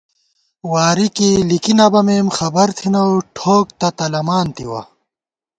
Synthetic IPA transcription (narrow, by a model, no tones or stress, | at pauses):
waːɾikilikinɐbɐmeːmxɐbɐɾt̪ʰinɐʈʰoːk̚t̪ɐt̪ɐlɐmaːnt̪ḭwɐ̰